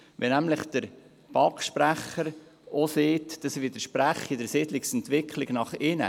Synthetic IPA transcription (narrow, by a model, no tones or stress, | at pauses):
ʋɛnæmləχd̪̥əɾ | b̥ɑkʃpɾæχəɾ | ɔseːtd̥ɑsʋɪd̪əʃpɾæχidəɾsɪd̪lɪksɛnt̪ʋɪkʰlɪɡ̥nɑχɪnə̰